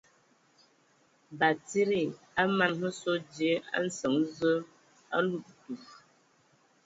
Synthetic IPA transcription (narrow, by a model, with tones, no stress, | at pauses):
ba˨ti˦ɾi˦˨ | a˦ma˨nhə˦so˦de˨˦a̰˦n̩˦sə˨ŋ˦zə˦ | a̰˦lu˦˨k̚tu˨